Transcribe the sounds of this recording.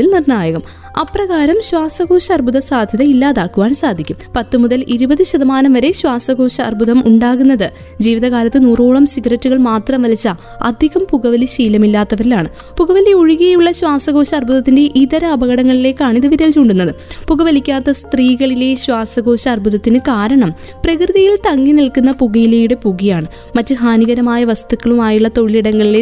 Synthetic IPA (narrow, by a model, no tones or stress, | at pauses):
ilnirnaːjɐɣɐm | ɐprɐɣaːɾɐmɕwaːsɐɣo̞ːɕɐːrbʱuðɐsaːd̪ʱjɐðɐilːaːðaːkːuʋaːɳsaːd̪ʱikʲːumpɐt̪ːɨmuðɐliɾubɐðɨɕɐðɐmaːnɐmʋɐɾe̞ɕwaːsɐɣo̞ːɕɐ̰ːrbʱuðɐmuɳɖaːɣunːɐðɨ | d͡ʑiːʋiðɐɣaːlɐt̪ːɨnuːro̞ːɭɐmsiɡrɐtːuɣɐɭmaːt̪rɐmʋɐlit͡ɕːɐ | ɐ̰d̪ʱiɣɐmpuɣɐʋɐliɕiːlɐmilːaːt̪ːɐʋɐɾilaːɳɨ | puɣɐʋɐleoɻuɣijjuɭːɐɕwaːsɐɣo̞ːɕɐːrbʱuðɐt̪ːinde̞ʔiðɐɾɐɐbɐɣɐɽɐŋːɐɭile̞ːkːaːɳiðɨʋiɾeːlt͡ɕuːɳɖunːɐðɨpuɣɐʋɐlikʲːaːt̪ːɐst̪riːɣɐɭile̞ɕwaːsɐɣo̞ːɕɐːrbʱuðɐt̪ːinɨkaːɾɐɳɐm | prɐkrɨðijilt̪ɐŋːinilkunːɐpuɣɐjileːjuɽe̞puɣijaːɳɨ | mɐtːɨɦaːniɣɐɾɐmaːjɐʋɐst̪ukːɐɭumaːjuɭːɐt̪o̞ɭiliɽɐŋːɐɭile̞